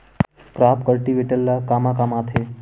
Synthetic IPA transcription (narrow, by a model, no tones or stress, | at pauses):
kɾapkəɭʈiʋiʈəlːakamakamat̪ʰe